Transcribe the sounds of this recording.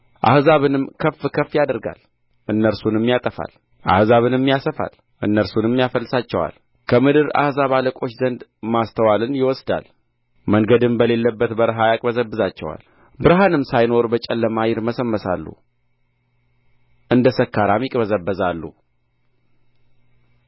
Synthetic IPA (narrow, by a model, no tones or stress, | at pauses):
ʔa̰hzaβɨnɨmkʰəfːkʰəfːjad̪əɾɡa̰l | ʔɨnːəɾsunɨmːjat̪ʼəfa̰l | ʔa̰hzaβɨnɨmːjasəfa̰l | ʔɨnːəɾsunmːjafəlːɨsat͡ʃːɛwa̰l | kʰəmɨd̪ɨɾa̰hzaβaləkʼo̞t͡ʃːzənd̪mast̪ʰəwalɨnjɪwɔsd̪a̰l | məŋɡəd̪ɨmbəle̞lːəbːət̪bəɾɦajakʼbəzəbːɨzat͡ʃːɛ̰wa̰l | bɨɾɦanɨmsajno̞ɾbət͡ʃʼɛlːəmajɪɾməsəmːəsa̰lːṵ | ʔɨnd̪əsəkːaɾamjɪkʼbəzəbːəzalːṵ